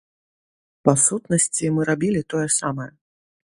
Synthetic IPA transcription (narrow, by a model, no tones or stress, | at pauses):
pasut̪nɐsʲt͡sʲimɨɾabʲilʲit̪ɔjɛsamɐjɛ